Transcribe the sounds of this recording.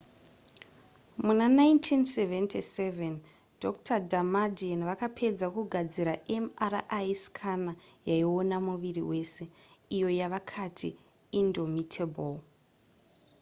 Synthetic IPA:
munanaintʰinseventʰiseven | dʱok̚tʰadʱamadienʋakapʰe̞d͡zakuɡʱad͡ziɾaʔemarʔajskʰanajaio̞namuʋiriwe̞ːse̞ | ijo̞jaʋakʰatʰḭ | indomitʰebol

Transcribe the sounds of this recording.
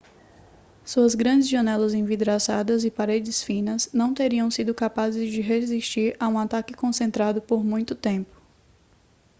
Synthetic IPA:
suɐzɡɾɐ̃d͡ʒɪzʒɐ̃nɛlɐzẽvid̪ɾazad̪ɐzɪpaɾed͡ʒɪsfĩnɐznɐ̃w̃t̪eɾiɐ̃w̃sid̪ʊkapazɪzd͡ʒɪɦeziʃt͡ʃiɾaũat̪akɪkõsẽnt̪ɾad̪ʊpoɾmũj̃t̪ʊt̪ẽpʊ̥

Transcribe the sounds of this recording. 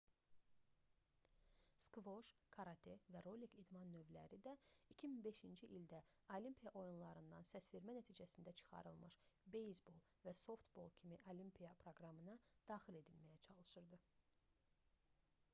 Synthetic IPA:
skvo̞ʃkʰɑɾɑt̪ʰevæɾolikid̪mɑnːø̞vlæ̰ɾid̪æicʰiminbe̞ʃind͡ʒiʔild̪æolimpʰijɑʔo̞junlˠɑɾɯnd̪ɑnsæsfiɾmænæt̪ʰiːd͡ʒæsind̪æt͡ʃʰɯ̥χɑ̰ɾɯlˠmɯʃbejsbo̞lˠvæso̞ft̪bo̞̰lˠcʰimiʔolimpʰijɑpʰɾo̞ɡɾɑmɯnɑd̪̥ɑːxile̞d̪ilmæjæt͡ʃʰɑlˠɯʃɯɾd̪ɯ

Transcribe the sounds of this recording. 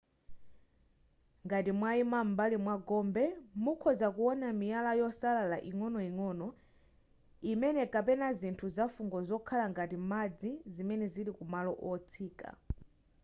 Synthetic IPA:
ŋɡatimwaimambalimwaɡɔmbɛmukʰɔzakuɔnamijalajɔsalalaʔiŋɔnɔiŋɔnɔ | imɛnɛkapɛnazintʰuzafuŋɡɔzɔkʰalaŋɡatimad͡zizimɛnɛziɾikumalɔʔɔt͡sʰiːka̰

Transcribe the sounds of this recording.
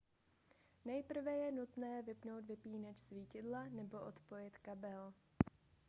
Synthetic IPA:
nɛjpr̩vɛjɛnut̪nɛːvɪpno̞wt̪vɪpiːnɛczviːcɪdlanɛbo̞ʔot̪po̞jɪt̪kabɛl

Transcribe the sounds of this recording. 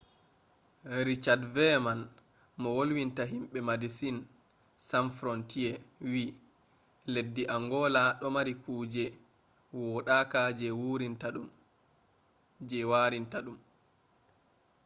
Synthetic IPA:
ɾit͡ʃadvɛman | mɔwolwintaɦimɓɛmadisin | samfɾɔntiɛwi | ledːiʔaŋɡɔlaɗɔmaɾikuːd͡ʒɛ | wɔɗaːkad͡ʒɛwuɾintaɗum | d͡ʒɛwaɾintaɗum

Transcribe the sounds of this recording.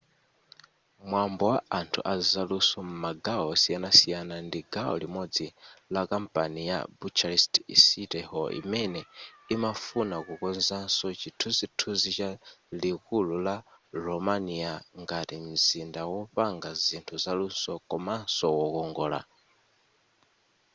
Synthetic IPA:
mwambɔwaantʰṵʔazalusɔm̩maɡaɔsijanasijanandiɡaɔ̰limɔd͡zilakam̩pʼanija̰but͡ʃaɾistsitɛhɔḭmɛnɛimafunakukɔnzansɔt͡ʃitʰuzitʰuzit͡ʃalikululaɾɔmaniaŋɡatim̩zindawɔɸaŋɡazintʰuzalunsɔkɔmansɔwɔkɔŋɡɔːla̰

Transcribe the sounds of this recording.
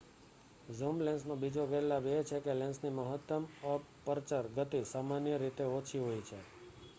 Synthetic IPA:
zumlɛ̃nsnõbid͡ʒoɡəlabet͡ʃʰekelɛ̃nsniməɦət̪ːəmə | pəɾt͡ʃəɾɡət̪isamanjəɾit̪eot͡ʃʰiɦojt͡ʃʰe

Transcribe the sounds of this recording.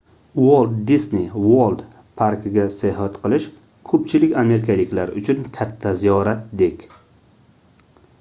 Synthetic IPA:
wolˠd̪ːisniwolˠd̪ | pʰaɾkɪɡʲaseɦat̪qʰɨlˠɪʃ | kʰɵpt͡ʃʰɪlɪkʲame̞ɾɪkʰalɪkʲlaɾʊt͡ʃʰʊnkʲʰat̪ʰːazijɒɾat̪̚d̪e̞kʲ

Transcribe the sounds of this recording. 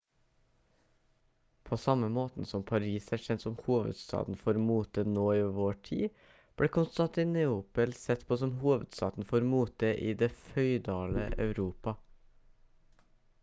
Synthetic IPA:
pʰoːsɑməmoːt̪n̩sɔmpʰɑɾiːsæʃɛnt̪sɔmhuːʋə̰d̪st̪ɑ̰ːd̪n̩foːɾmuːt̪ənoːiːʋʋoːʈʰḭː | b̥ɽeːkʰʊnst̪ɑnt̪ɪnɛuːpəlsɛt̪pʰoːsɔmhuːʋə̰d̪st̪ɑ̰ːd̪n̩foːɾmuːt̪̚əʔiːd̪eːfœʏd̪ɑːlə̰ʔɑʉɾuːpɑ

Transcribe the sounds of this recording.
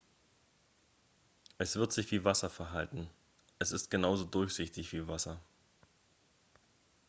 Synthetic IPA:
ʔɛsv̥ɪɐtz̥ɪçv̥iːvasɐfɛɐɦaltn̩ | ʔɛsɪstɡ̥ənaʊzoːdʊɐçz̥ɪçtɪçv̥iːvasɐ

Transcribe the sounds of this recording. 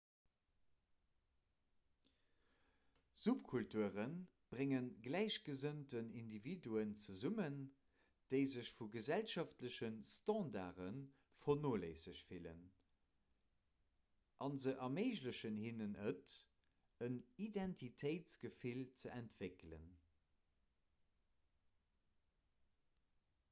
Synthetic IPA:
zupkʰultuəʁən | b̥ʁeŋənɡlæɪɕɡ̥əzəntənindividuənt͡səzumən | d̥əɪzəɕfuɡəzælʃɑftləɕənstɑ̃ːnda̰ːʁən | fonoːleɪsəɕfilə̰n | ʔɑnzəʔɑmeɪʑləɕənhinənət | ənidɛntʰitʰəɪtt͡sɡ̥əfilt͡səæntv̥eklə̰n

